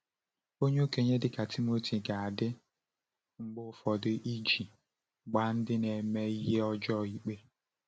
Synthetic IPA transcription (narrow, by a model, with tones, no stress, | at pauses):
o˦ɲe˦o˦ke˨ɲe˦dɪ˨ka˨tʰi˦mo˦tʰi˨ɡa˨a˨dɪ˦ | ŋ͡m̩˨ɡ͡bʊ˦ʊ˨fɔ˨dʊ˦ʔi˦d͡ʒi˨ | ɡ͡ba˦n̩˦dɪ˦ne˨me˦i˦ɦe˦ɔ˦d͡ʒɔ˦˨i˨k͡pe˦